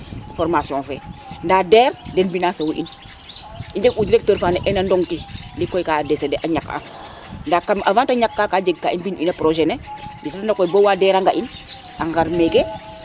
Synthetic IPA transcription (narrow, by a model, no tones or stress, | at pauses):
fɔɾmasiɔ̃nfɛ̰ndadɛːɾdɛnbinasewʔḭn | iɲd͡ʒekud͡ʒɾek̚təɾfaːnɛʔɛnandɔŋkinlikːɔjkadesedeʔaɲaka̰ | ndakːamʔavantaɲakːakad͡ʒeɡ̚kainbinʔinapɾoʒɛned͡ʒitatandakɔjbowadɛɾaŋɡaʔin | aŋɡaɾmeke